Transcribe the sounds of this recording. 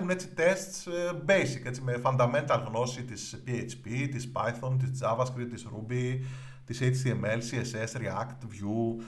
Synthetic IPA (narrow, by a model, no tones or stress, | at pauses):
une̞t͡sit̪e̞st̪sbe̞jsike̞t͡sime̞fɐnd̪ɐme̞nt̪ɐlɣno̞sit̪ispiejt͡ʃpit̪ispɐ̰jθont̪̬izd͡zɐvɐskɾit̪isɾṵbi | t̪isejt͡ʃðiemelsiesesɾiɐ̰kt̪vju